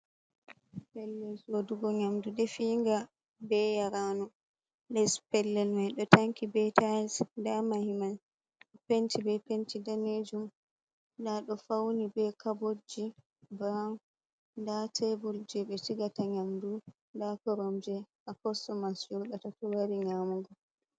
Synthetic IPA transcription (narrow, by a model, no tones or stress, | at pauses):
pɛlːɛlsoduɡɔɲamdudɛfiŋɡa | bɛjaɾanu | lɛspɛlːɛlmajɗɔtaŋkibɛtasdamahiman | ɗɔpentibɛpentidaned͡ʒum | daɗɔfawnibɛkabod͡ʒi | bɾaŋ | ndatʰebuld͡ʒɛɓɛt͡ʃiɡataɲamdu | ndakɔɾɔmd͡ʒɛʔakɔsɔmasd͡ʒuɗatatɔwaɾiɲamuɡɔ